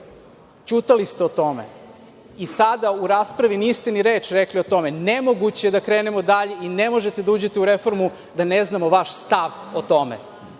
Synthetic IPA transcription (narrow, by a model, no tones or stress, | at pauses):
t͡ɕut̪alist̪eo̞t̪o̞mḛ | isad̪auɾaːspɾaʋiniːst̪eniɾeːt͡ʃɾeklio̞t̪o̞menemoɡut͡ɕed̪akɾe̞ːnemo̞d̪aʎeinemo̞ʒe̞t̪ed̪auːd͡ʑet̪euɾefo̞ɾmu | d̪aneznamo̞ʋaʃst̪aʋ | ot̪o̞mḛ